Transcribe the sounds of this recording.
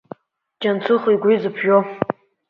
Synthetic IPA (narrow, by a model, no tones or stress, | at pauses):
d͡ʒant͡sʰɨχiɡʷizɨpʰʒo